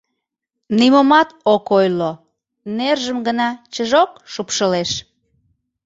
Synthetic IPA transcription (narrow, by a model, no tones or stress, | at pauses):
nimomɑt̪okojlo | nerʒəmɡənɑt͡ɕəʒokʃupʃəleʃ